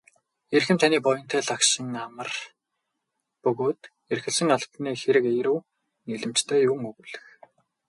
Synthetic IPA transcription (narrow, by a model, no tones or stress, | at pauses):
erxɘ̆mt̪ʰaniːpɔjɞ̆nt̪ʰæːɮaksə̆ŋamə̆r | pɵɣoːt̪ | erxɘ̆ɮsɘ̆ŋaɮt̪neːxeɾɘ̆kejɾŭː | niɮɘ̆m̥t͡ɕt̪ʰæːjuŋɵɣuɮɘ̆x